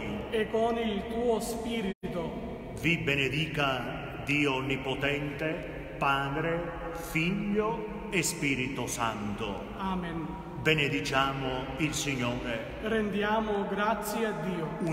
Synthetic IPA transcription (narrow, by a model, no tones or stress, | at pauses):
ɛkːɔnilt̪uːospiːɾit̪o | vibened̪iːka | d̪iːonːipɔt̪ɛnt̪e | paːd̪ɾe | fiʎːo | espiːɾit̪ʊsant̪ʊ̰ | aːmen | bened̪it͡ʃaːmʊ | ilsiɲːoːɾe | rɛnd̪jaːmʊɡɾat̪sːjead̪ːiːou